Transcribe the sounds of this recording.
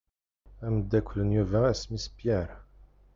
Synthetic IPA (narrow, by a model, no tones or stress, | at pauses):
æməd̪ːækʷʰːlənjuvææsmispjɛɾ